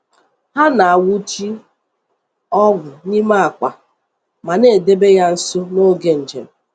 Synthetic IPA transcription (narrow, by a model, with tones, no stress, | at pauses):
ha˦na˨a˨wu˦t͡ʃi˦ | ɔ˦ɡʷʊ˨ni˦ma˦a˨ka̰˨ | ma˨ne˨de˦be˦ja˦n̩˦sʊ˦no˦ɡe˨n̩˨d͡ʒḛ˨m̩˨